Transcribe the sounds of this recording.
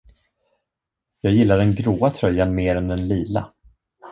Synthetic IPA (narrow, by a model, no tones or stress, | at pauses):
jɑːɡjɪlːaɖɛnɡɾoːat̪ʰɾœjːanmeːɾɛnd̪ɛnliːla̰